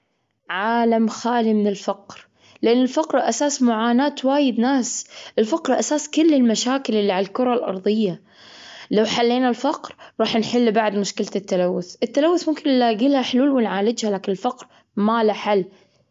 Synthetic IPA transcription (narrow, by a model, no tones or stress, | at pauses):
ʕaːlamxaːlimɪnɪlfaqɾ | lɪʔanːɪlfɑqɾʔasaːsmʊʕaːnaːt̪waːjɪd̪naːsʔɪlfaqɾʔasaːskʊlːɪlmaʃaːkɪlʔɪlːiʕalalkʊɾˤɑlʔɑ̰ɾˤðˤɨjːa | lawħalːeːnalfɑqɾɾˤɑːħnħɪlːbaʕd̪mʊʃkɪlt̪ɪt̪ːalawːʊθʔɪt̪ːalawːʊθmʊmkɪnɪlaːɡɪlhaħluːlwɪnʕaːlɪd͡ʒhalaːkɪnɪlfɑqɾ | malaħalː